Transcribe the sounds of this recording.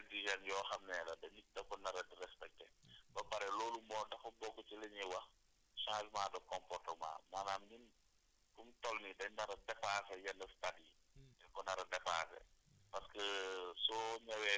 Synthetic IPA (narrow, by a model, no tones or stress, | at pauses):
diʒɐnjɔːxɐmnɛːlɐdɐnit̚dɐkɔnɐɾɐdrɛspɛk̚tɛbɐpɐɾɛlɔːlumɔːdɐfɐbɔkːɔt͡ʃilɛɲɛwɐx | ʃãːzmaːdɔkɔmpɔrtɔma̰ːmaːnaːmnin | kumtɔlnidɐɲnɐɾɐdɛpaːsɛjɛlːɐstadi | ɛkɔnɐɾɐdɛpa̰ːsɛ̰pɐskəsɔɲɐwɛː